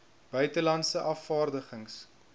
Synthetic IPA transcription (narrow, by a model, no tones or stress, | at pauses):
b̥œɥtəlɐntsəʔɐfːɑːrdəχəŋs